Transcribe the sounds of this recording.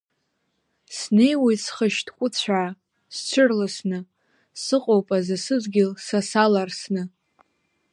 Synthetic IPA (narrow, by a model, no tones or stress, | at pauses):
sne̞jwisχəʃtʰʼkʷʼʊt͡ɕʷʰaː | st͡ɕʷʰʊrlasnɨ | sɨqʼowpʼazɨsɨzɡʲɪlsasalarsnɨ